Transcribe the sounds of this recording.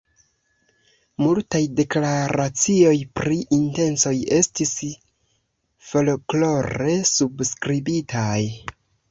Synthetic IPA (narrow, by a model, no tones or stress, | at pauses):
multajde̞klaɾat͡sio̞jpɾiʔinte̞nso̞je̞stis | fo̞lklo̞ɾe̞subskɾibitʰaj